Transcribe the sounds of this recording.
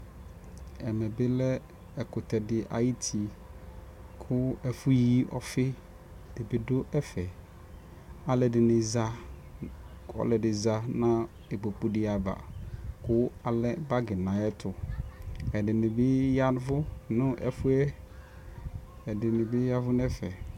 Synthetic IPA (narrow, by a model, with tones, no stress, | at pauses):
ɛ˨mɛ̃˨bɪ˦lɛ˦ | ɛ˨kʊ˨tʰɛ˨dɪ˨ʔa̰˨ji˦tʰi˨ | kʰʊ˦ɛ˨fʊ˦ji˦ɔ̰˨fɪ˦ | dɪ˨bɪ˨dʊ˦ʔɛ˦fɛ˨ | a˨lɛ˨dɪ˨nɪ̃˨za˦ | ɔ̰˦˨lɛ˨dɪ˨za˦nã˦ | e˨ɡ͡bo˨k͡pu˨dɪ˦a˨ba̰˨kʊ˦a˨lɛ˦ba˦ɡɪ˨nã˨˦ɛ˦tʰʊ˨ | ɛ˨dɪ˨nɪ̃˨bɪ˦ja˦n˦vʊ˦nʊ̃˦ʔɛ̰˨fʊ˦ɛ˦ | ɛ˨dɪ˨nɪ̃˨bɪ˦ja˦vʊ˦nɛ˦fɛ˨